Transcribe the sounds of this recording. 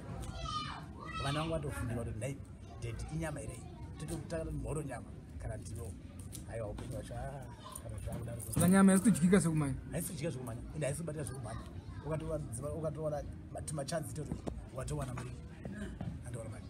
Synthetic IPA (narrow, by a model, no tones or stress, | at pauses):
ʋanawaŋɡatofundiwatonai | dʱetiiɲamaiɾei | tototaɡanoimoɾoɲama | kaɾantino | ɦaiwaupe̞ɲiwat͡ʃa | kanaut͡ʃakuɗaɾosaaɲamais̬kud͡ʒɡikasekumaniaisikud͡ʒɡikaʐekumaːniendɦais̬ikuɓat̬iɾaʐekumaniukatoaiaukat̬owana | mtimat͡ʃand͡ziitautokatowanamuɾiko | antoanamaːi